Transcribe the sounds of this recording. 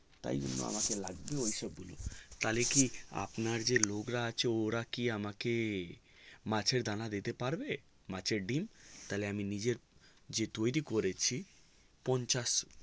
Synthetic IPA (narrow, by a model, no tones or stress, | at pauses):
t̪a̰jd͡ʒo̰nːo̰a̰makelaɡbeoiʃɔbɡulo̰t̪alekia̰pnaɾd͡ʑelokɾaat͡ɕʰeoɾakiamake | mat͡ɕʰeɾd̪anad̪it̪epaɾbe | mat͡ɕʰeɾɖimt̪aleaminid͡ʑeɾ | d͡ʑet̪ojɾikoɾet͡ɕʰi | pɔnt͡ɕaʃ